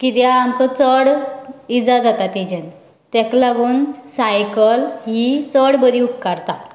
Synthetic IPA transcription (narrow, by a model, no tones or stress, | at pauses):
kit̪jaamt̪ət͡səɽid͡zad͡zat̪at̪id͡ʑen | t̪ɛklaɡuːnsajkəlɦiːt͡səɽbəɾiupkaɾt̪a